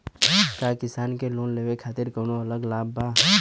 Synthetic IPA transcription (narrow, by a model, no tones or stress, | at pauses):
kaːkɪsaːnkeloːnleːʋekʰaːt̪ɪɾkoːnoɐləɡlaːbːaː